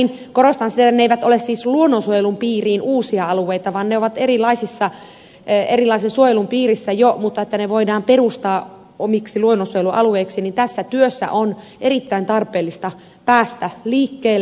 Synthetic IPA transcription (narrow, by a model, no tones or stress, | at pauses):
inkoɾost̪ɑnsit̪æet̪ːæneeiʋæt̪olessiːsluonːonsuojelumpiːriːnʔuːsiɑɑlueit̪ɑʋɑnneoʋɑt̪erilˑɑisisːɑ | erilɑisesuojelumpiːrisːæjomut̪ːɑet̪ːæneʋoidɑːmperust̪ɑː | omiksiluonːonsuojeluʔɑ̰lueiksinint̪æsːæt̪yøsːæ̰ʔon | ʔerit̪ːæint̪ɑrpeːlːist̪ɑ | pæːst̪æliːkːeːl